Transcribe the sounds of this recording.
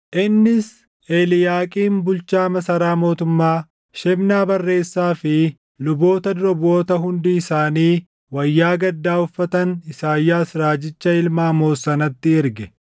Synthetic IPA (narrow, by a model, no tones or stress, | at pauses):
ʔɪnːɪs | eːlɪjaːkʼiːmbʊlt͡ʃaːmɐsɐɾaːmo̞ːt̪ʊmːaː | ʃɛbnaːbɐrːe̞ːsːaːfɪ | lʊbo̞ːt̪ɐd̪ʊɾɔbo̞ːt̪ɐɦʊnd̪iːsaːniː | wɐjːaːɡɐd̪ːaːʊfːɐt̪ɐnɪsaːjːaːsɾaːd͡ʒɪt͡ʃːɐɪlmaːmo̞ːsːɐnɐt̪ːɪɪɾɡɛ